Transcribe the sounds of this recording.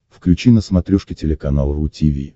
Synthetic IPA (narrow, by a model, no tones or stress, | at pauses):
fklʲʉt͡ɕinəsmɐt̪ɾʲoʂkʲɪtʲɪlʲɪkɐnalˠəvʊtʲivʲḭ